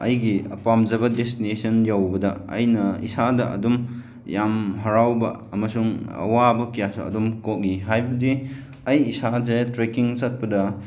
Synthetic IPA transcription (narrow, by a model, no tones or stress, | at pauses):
ɐjɡiɐ̰pamzɐbɐdestinesʰɐnjawbɐdɐɐ̰jnɐḭsadɐʔɐ̰dum | jamɦɐɾawbɐɐmɐsuŋɐ̰wabɐkijasṵɐ̰dumkok̚ɡiɦajbɐdi | ɐjːsazetɾekiŋzɐt̚pɐdɐ